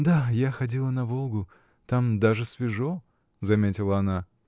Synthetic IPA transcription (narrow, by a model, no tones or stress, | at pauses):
d̪ajaxɐdʲilˠənɐvo̞lˠɡʊ | t̪amd̪aʐɨsvʲɪʐo | zɐmʲetʲɪlˠəɐna